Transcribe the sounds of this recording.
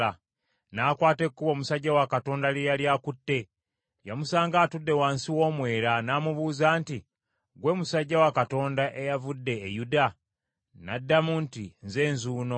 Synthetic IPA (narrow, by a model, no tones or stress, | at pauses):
a | naːkwaːte̞kːuβo̞ːmusaɟːawakato̞ːndalejaljaːkutːe̞ | jamusaːŋɡaːtudːe̞waːnsiwo̞ːmwe̞ːɾanaːmuβuːzaːnti | ɡwe̞ːmusaɟːawakato̞ːndaʔejavudːe̞ːjuda | nadːamuntinze̞ːnzuːno̞